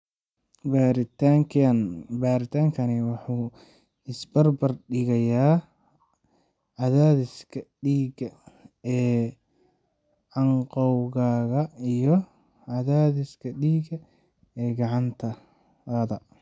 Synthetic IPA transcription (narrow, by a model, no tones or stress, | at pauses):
baːɾɪt̪aŋkʰɐnbaːɾɪt̪ʰaːŋkʰɐnɪwɑħuː | ɪsbɐrbɐrɗɪɣɐjaː | ɐðaːðɪskʰɐɖiːɡɐɛː | ʕɑɴqɔwɣaːɣɐijɔ | ɐðaːðɪskʰɐɖiːɡɐ | ɛːɡɑʕɑnt̪ʰɐ | ðɐ